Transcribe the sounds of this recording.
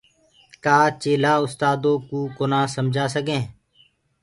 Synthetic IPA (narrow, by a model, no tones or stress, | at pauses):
kaːt͡ʃeːlaːʊst̪aːd̪oːkuːkoːnaːsəmd͡ʒʱaːsəkẽː